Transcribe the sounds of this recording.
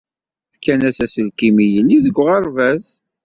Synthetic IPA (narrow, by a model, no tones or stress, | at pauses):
fkːænæsæsəlkimijəlːiðəɡʷːʁɑɾˤvæz